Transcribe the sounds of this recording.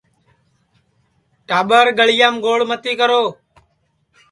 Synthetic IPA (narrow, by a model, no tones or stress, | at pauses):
ʈaːɓəɾɡəɭɪjaːmɡoːɭmət̪iːkəɾoː